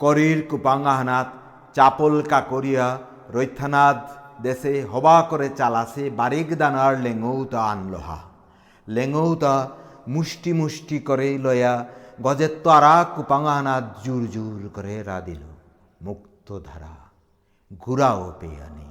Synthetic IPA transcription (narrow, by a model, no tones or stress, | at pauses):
kɔɾiɾkupaŋaɦanat̪ | t͡ʃapolkakoɾija | ɾojt̪ʰːanat̪d̪eseɦɔbakɔɾet͡ʃalasebaɾikd̪anaɾleŋɡowt̪aːnlɔ̰ɦa̰ | leŋowt̪amusʈimusʈikɔɾelɔjaɡɔd͡ʒet̪ːɔaɾakupaŋaɦanat̪d͡ʒuɾd͡ʒuɾkɔɾeɾa̰d̪ilo̰ | mukt̪ɔd̪ʱaɾa̰ | ɡʱuɾaopḛja̰nḭ